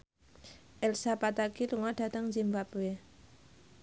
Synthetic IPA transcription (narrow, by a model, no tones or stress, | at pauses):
ʔɛlsapat̪akiluŋad̥at̪əŋd͡ʒimbapwe